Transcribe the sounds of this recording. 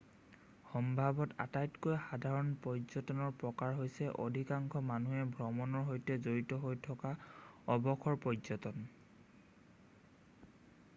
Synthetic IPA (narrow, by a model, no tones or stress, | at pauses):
xɔmbʱabɔta̰tajtkojxadʱaɹɔnpɹɔjzɔtɔnɔɹpɹɔkaɹɦojsɛʔo̰dʱikaŋkʰɔmanuɛbʱɹɔmɔnɔɹɦojtɛzoɹitɔɦojtʰɔkaɔbɔkʰɔɹpɹɔzɔtɔn